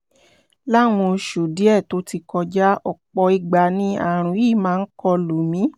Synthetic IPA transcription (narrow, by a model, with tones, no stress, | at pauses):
la˦w̃ɔ̃˧ʃu˨di˨˦ɛ˦˨to˨˦ti˧kɔ˧d͡ʒa˦ɔ˨k͡pɔ˧i˧ɡ͡ba˧nĩ˧˦a̰˦˨ɾ̃ũ˨˦i˦˨mãː˨˦˧n̩˦kɔ˧lo˨mĩ˨˦